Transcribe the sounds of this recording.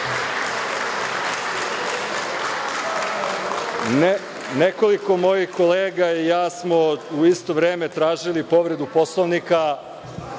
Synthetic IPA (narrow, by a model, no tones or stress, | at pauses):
neko̞liko̞mo̞jixko̞leːɡaijaːsmouist̪o̞ʋɾeːme̞t̪ɾaːʒilipo̞ʋɾe̞d̪upo̞slˠoʋnika